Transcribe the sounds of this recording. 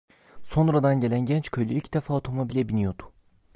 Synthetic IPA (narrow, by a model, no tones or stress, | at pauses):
so̞nɾad̪anɟe̞lʲænɟɛnt͡ʃcʰø̞jlʲyicʰid̪̥efaot̪ʰo̞mobilʲɛbinijo̞d̪̥u̥